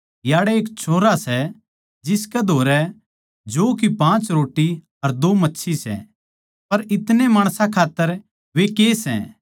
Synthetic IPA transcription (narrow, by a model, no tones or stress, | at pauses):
jaːɽɛeːkt͡ʃʰoːɾasɛ | d͡ʒɪskɛd̪ʱoːɾɛ | d͡ʒoːkipãːt͡ʃɾoːʈːi | ɐɾd̪oːmɐtːʃʰisɛ̰ | pɐɾɪt̪nemaːɽ̃sãkʰaːt̪ːəɾ | ʋekeːsɛ̰̃